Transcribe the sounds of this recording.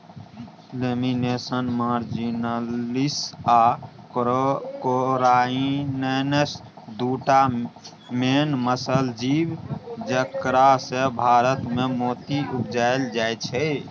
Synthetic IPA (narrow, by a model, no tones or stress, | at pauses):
leminesənmaɾd͡ʒinalisa | koɾainənes | d̪uʈa | menməsəld͡ʒibd͡ʒəkɾasebʱaɾət̪memot̪iʔupd͡ʒaeld͡ʒajt͡ʃʰɛ